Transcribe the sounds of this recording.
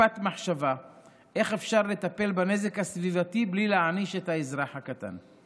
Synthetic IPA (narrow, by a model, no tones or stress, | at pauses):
at̪maħʃava | ʔe̞χe̞fʃaʁle̞t̪ape̞lbane̞ze̞khasvivatiblileaʕniʃe̞t̪haezʁaħhakat̪a̰n